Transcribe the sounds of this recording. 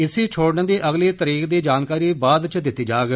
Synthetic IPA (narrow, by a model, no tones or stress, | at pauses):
ɪsiːt͡ʃʰoːɽnd̪iːʔəɡliːt̪əɾiːkd̪iːd͡ʒaːnkaːɾiːbaːd̪t͡ʃd̪ɪt̪ːiːd͡ʒaːɡ